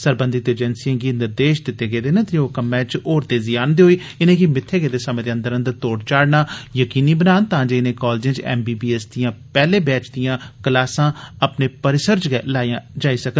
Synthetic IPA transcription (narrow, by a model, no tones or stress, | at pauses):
səɾbə̃nd̪ɪt̪eːd͡ʒɛːnsijãːɡiːnɪɾd̪eːʃd̪ɪt̪ːeːɡeːd̪eːnẽt̪eoːkəmːɛ̃ːt͡ʃoːɾt̪eːzɪjaːnd̪eɦoːiː | ɪnẽːkimɪt̪ʰːeːɡeːd̪eːsəmẽːd̪eːə̃nd̪əɾə̃nd̪əɾt̪oːɽt͡ʃaːɽnaːjəkiːniːbənaːnt̪ãːd͡ʒeːɪnẽːkɔːld͡ʒɪ̃ːt͡ʃɛ̰ːmbiːbiːɛsd̪ijãːpɛːleːbɛːt͡ʃd̪ijãːkəlaːsãːəpneːpəɾɪsəɾd͡ʒɡɛlaːijãːd͡ʒaːiːsəkə